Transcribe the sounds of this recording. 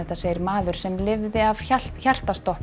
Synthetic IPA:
ɛht̪aseːjɪɾmaːðʏɾ̥sɛmlɪvðɪavçal̥çar̥t̪asɔhp

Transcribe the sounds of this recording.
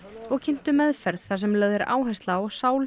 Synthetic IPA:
ɔɣcʰɪn̥t̪ʏmɛðfɛɾðθasɛmlœːɥðɪɾa̰ːwɦajst̪lawɣsaːwl

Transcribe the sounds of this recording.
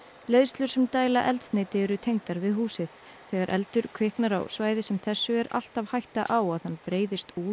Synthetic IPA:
leːðst̪lʏɾ̥sɛmt̪aːjlaʔɛlt̪sneːt̪ɪɛɾʏt̪ʰejŋt̪aɾvɪðɦuːsɪð | θɛɣaɾʔɛ̰lt̪ʏɾ̥kʰvɪhknaɾa̰wsvaːjðɪsɛmθɛsːʏɛɾa̰l̥t̪avhajht̪aʔawaðhanːpɾeːjðɪst̪uː

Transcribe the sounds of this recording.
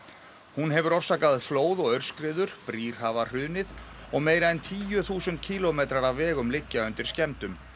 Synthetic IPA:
hunɦɛvʏɾɔr̥saːkaðɪfloːwðɔɣœɾ̥skɾɪːðʏɾ̥pɾiːr̥havar̥ʏːnɪð | ɔɣmeːjɾaɛnt̪ʰiːjʏθuːsʏnt̪̚cʰiːlɔmejt̪ɾaɾavvɛːɣʏmlɪcːaʏnt̪ɪɾ̥scɛmt̪ʏm

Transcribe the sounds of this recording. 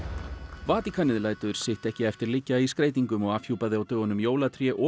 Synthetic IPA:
vaːt̪ikʰanɪðlaːjt̪ʏɾ̥sɪht̪ɛhcɪɛft̪ɪɾlɪcːaiskɾeːjt̪iŋkʏmɔɣafçjuːpaðɪawt̪œːɣʏnʏmjoːwlat̪ʰɾjɛʔɔ

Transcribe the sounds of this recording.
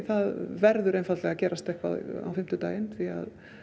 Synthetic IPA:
θaðvɛɾðʏɾejnfat̪lɛɣacɛːɾʔast̪ɛhkva̰ða̰wfɪm̥t̪ʏt̪aːjɪnθia̰ð

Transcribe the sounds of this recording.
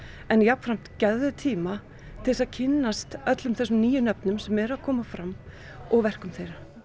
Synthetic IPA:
ɛnjap̪fɾam̥t̪cɛððʏt̪ʰiːma | t̪ʰɪlsaðcʰɪnːast̪œt̪lʏmθɛsʏmniːjʏnœpnʏmsɛmɛɾaðkʰɔːmafɾamː | ɔɣvɛr̥kʏmθejɾa

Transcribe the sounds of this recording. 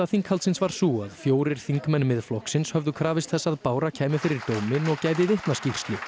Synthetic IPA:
aθiŋkhalt̪sɪnsvaɾ̥suːaðfjoːwɾɪɾ̥θiŋkmɛnːmɪðflɔhksɪnshœvðʏkʰɾaːvɪst̪θɛsːaðpaːwɾacʰɛːjmɪfɪɾɪɾt̪oːwmɪnɔɣcaːjðɪðɪht̪nascir̥st̪lʏ

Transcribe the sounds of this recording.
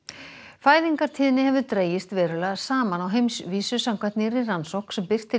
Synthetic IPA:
faːjðiŋkaɾ̥t̪ʰiːðɪnːɪhɛvʏt̪ɾeːjɪst̪vɛːɾʏlaðsaːmanawɦejmsviːsʏsamkʰvajht̪nɪɾɪransowhksɛmpɪr̥t̪ʰːɪ

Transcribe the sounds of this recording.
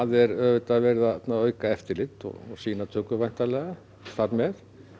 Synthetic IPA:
aðɛɾœːvɪt̪aðvɛːɾɪðat̪naœːɥkaɛft̪ɪɾlɪt̪ɔ̰ɣɔsiːnat̪ʰœːkʏvajn̥t̪alɛːɣa | θaɾmɛð

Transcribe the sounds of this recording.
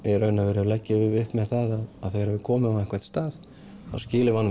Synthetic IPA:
ɛɾœːɥnavɛːɾʏalɛcːɪɪvʏhpmɛðθaðaðaðθɛɣaɾɛvɪkʰɔːmɪnavɛhkvḁt̪st̪aːð | a̰wscɪːlɪvanː

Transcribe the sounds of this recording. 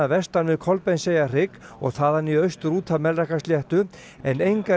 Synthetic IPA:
avɛst̪anvɪðkʰɔlpɛjnsejar̥ɪkɔ̰ɣθaːðanːiœɥst̪ʏɾuːt̪ʰamɛlɾɛkast̪jɛht̪ʏ | ɛnejŋka

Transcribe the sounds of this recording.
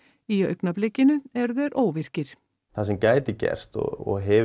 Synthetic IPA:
iœ̰ɥknaplecːɪnʏɛɾðɛɾʔoːwvɪr̥cɪɾ̥ | θas̬ɛmcaːjt̪ɪcɛ̰r̥st̪ɔ̰ɔɣɦɛ

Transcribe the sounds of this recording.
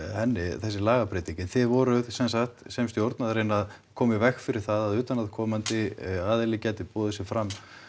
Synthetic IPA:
hɛnːɪθɛsːɪlaːɣapɾeːt̪iɲcɪθɪvɔɾʏðsɛnsaxt̪sejmst̪jowɾt̪naðɾeːjnað | kʰɔːmɪvɛxfɪɾɪɾ̥θaðaðʏːt̪anaðkʰɔːmant̪ɪaːðɪlɪcɛːt̪ɪpɔːðɛsɪfɾamː

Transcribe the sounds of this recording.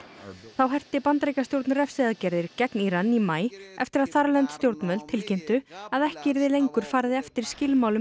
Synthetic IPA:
θawɦɛr̥t̪ɪpant̪ɾejkast̪jowɾt̪nrɛfsɪðacɛɾðɪɾcɛkniɾanːimaːjɛft̪ɪɾaðθaɾlɛnt̪st̪jowɾt̪nmœðlt̪ʰɪlcem̥t̪ʏaðɛhcɪɾðɪlejŋkʏɾ̥faːɾðɪɛft̪ɪɾ̥scɪlmaːwlʏ

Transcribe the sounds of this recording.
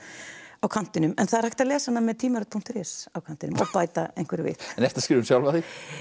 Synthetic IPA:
awkʰan̥t̪ɪnʏmɛnθaðɾ̥hajht̪aðlɛːsanːamɛðt̪ʰiːmaœt̪̚pʰuŋ̥t̪ɾɪsawkʰant̪ɪnʏmɔpaːjt̪aḛjŋ̥kvɛɾvɪ̰θɛnɛft̪askɾiːvʏmsjawlvaðɪ

